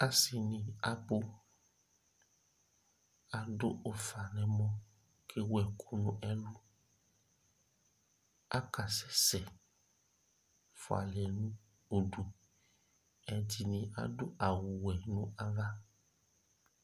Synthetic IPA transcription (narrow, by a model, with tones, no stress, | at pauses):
a˦si˨nĩ˧a˦bo˦ | a˨do̰˦ʔo˦fa˨nɛ̃˦mɔ̃˦ | kʰe˦wɛ˨kʰu˦nũ˦ʔɛ˦lu˦ | a̰˦ka˨sɛ˦sɛ˨ | fɔ˨a̰˨lɛ˨nũ˦ | o˨du˨ | ɛ˨d͡ʒi˨nĩ˧a̰˦do˦ʔa˨wu˨wɛ˨nũ˦a˦ɣa˦